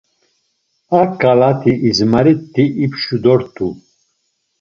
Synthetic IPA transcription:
akalat̪ʰiʔizmaɾit̪ʰːiʔipʰʃud̪ɔɾt̪ʰu

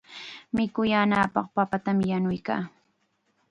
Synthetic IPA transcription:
mɪkʊjaːnaːpɑ̰χpapat̪amjanʊjka̰ː

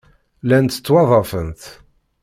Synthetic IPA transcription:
lænt̪ːə̥t͡sːwɑðˤɑfənt̪

